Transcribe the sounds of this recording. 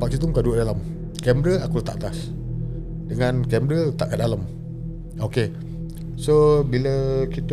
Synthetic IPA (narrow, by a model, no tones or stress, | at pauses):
paʔk̚sit̪uŋkaduəʔdalam | kɛmɾəakut̪a̰ʔt̪as | dəŋãnkɛmɾət̪aʔkadalam | oke | sobiləkit̪ə